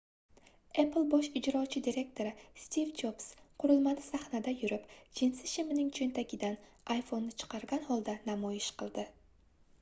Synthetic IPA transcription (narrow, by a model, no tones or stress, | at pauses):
epʰlˠbɒʃɪd͡ʒɾɒt͡ʃʰɪd̪iɾe̞k̚t̪ʰo̞ɾɪst̪ivd͡ʒopsqʰʊɾɨlˠmanɪsahnad̪ajʊɾɪpd͡ʒɪnsɪʃɪmɪnɪŋt͡ʃʰent̪ʰakʲʰɪd̪an | ʔajfo̞nːɪt͡ʃʰɨ̥qʰɑɾɡʲanhɒlˠd̪anamɒjɪʃqʰɨlˠd̪ɪ